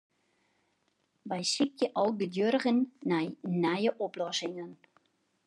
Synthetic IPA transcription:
ʋɛjsik̚tjəʔɔlˠɡədjørəɣənːɛjnɛjəʔoplɔsɪŋən

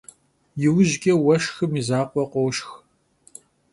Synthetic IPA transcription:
jɪwʑɡʲʼɐwɐʃxɨmizaːqʷʼɔqʷɔwʃx

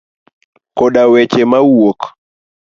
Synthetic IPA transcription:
kɔɗawɛt͡ʃemawok

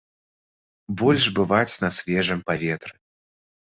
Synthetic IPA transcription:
bɔlʲʐbɨvat͡sʲnɐsʲvʲɛʐɨmpavʲɛt̪ɾɨ

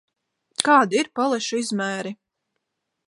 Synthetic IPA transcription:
kaːd̪iiɾpalˠɛʃuizmæːɾi

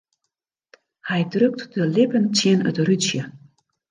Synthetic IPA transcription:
hɛjdrøk̚tdəlɪpənt͡siənə̰tryt͡sjə

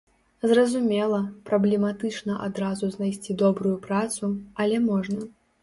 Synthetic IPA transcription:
zrɐzumʲɛlˠɐpɾɐblʲɛmat̪ɨt͡ʂnɐʔad̪ɾazuznajsʲt͡sʲid̪ɔbɾujupɾat̪suɐlʲɛmɔʐnɐ

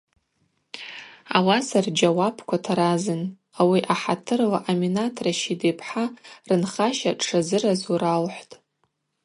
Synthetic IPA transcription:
a̰wasard͡ʒawapʰkʷʰatʰaɾazɨn | awiʔaħatʰɨrlaʔaminatʰraʃidepʰħarɨnχaʃaʂʰazɨrazuɾalħʷtʼ

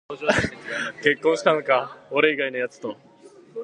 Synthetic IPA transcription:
ke̞kːõɰ̃ɕi̥t̪ãŋokaoɾe̞iɡaino̞jat͡sɨ̥t̪o̞

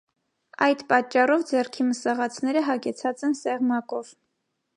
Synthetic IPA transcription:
ɑjd̪pɑt͡ʃːɑrɔvd͡zɛrkʰiməsɑʁɑt͡sʰnɛɾəɦɑɡɛt͡sʰɑt͡sɛnsɛʁmɑkɔv̥

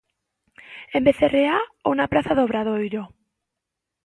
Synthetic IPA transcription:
embeθereaonapɾaθaðoβɾað̞ojɾo

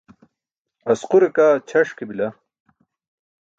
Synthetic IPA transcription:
ɐsquɾekaːt͡ɕʰɐʂkebilɐ

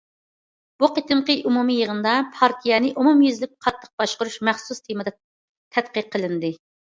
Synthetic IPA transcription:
b̥uqət̪ʰɨmqəʔumumijəʁənɨd̪ɑpʰɑɾt̪ʰijɛnɪʔumumjyzɪlɪp̚qʰɑt̪ʰːə̥q̚b̥ɑʃqʊɾuʃmɛχsust̪ʰemɨd̪ɑ | t̪ʰɛt̪qəqʰːəlˠɨnd̪ɪ

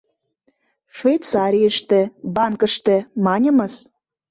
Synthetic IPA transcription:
ʃvʲejt̪t͡sɑɾʲijəʃt̪ĕbɑŋkə̆ʃt̪ĕmɑnʲə̆mə̆s

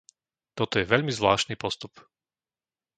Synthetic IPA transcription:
t̪ɔt̪ɔjɛʋɛʎmizʋlaːʃniːpɔst̪up

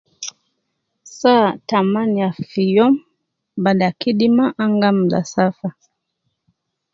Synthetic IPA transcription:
satamaniafijɔm | baɗakiɗimaʔaŋɡam̩la̰safa

